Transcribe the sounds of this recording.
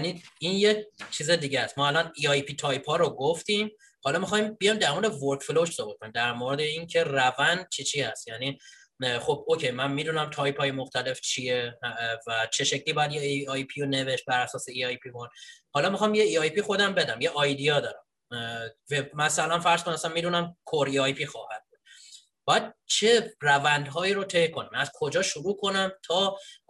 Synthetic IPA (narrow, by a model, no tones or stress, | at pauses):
niːinjet͡ʃʰiːzed̪iːɟæst̪mɒːælɒniɒjpʰit̪ʰɒːjpʰɒːɾoɡoft̪im | hɒlɒːmixɒːjmbijɒjmd̪æɾmoɾed̪evoɾkfloʃzɒbot̪̚kʰonimd̪æɾmoɾe̞d̪e̞iŋcʰe̞rævænd̪̚t͡ʃʰit͡ʃʰiːhæst̪jæniː | χo̞b̚ocʰejmænmid̪unæmt̪ʰɒjpʰɒːje̞moxt̪ʰæle̞ft͡ʃʰievæt͡ʃʰe̞ʃe̞cʰliːbɒːjæd̪jeɒjpʰijone̞ve̞ʃt̪̚bæɾæsɒːseiɒjpʰikonhɒːlɒːmixɒːmjeiɒjpʰiːxo̞d̪æmbe̞d̪æmjeʔɒjd̪ijɒːd̪ɒːɾæm | vemæsælænfæɾz̥kʰonæmæsænmiːd̪uːnæmkʰoɾiɒjpʰiːxɒːhæd̪̚buːd̪̥ | b̥ɒːjæd̪̥̚t͡ʃʰe̞rævænd̪ɦɒːiːɾot̪ʰejkʰo̞næmæz̥kʰo̞d͡ʒɒːʃuɾuːkʰo̞næmt̪ʰɒː